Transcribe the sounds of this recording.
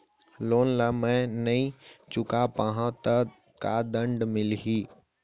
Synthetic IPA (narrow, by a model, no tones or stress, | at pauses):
loːnlamɛ̃nɐĩt͡ʃʊkapãːɦãt̪ɐ | kad̪ə̃ɳɖmɪlɦiː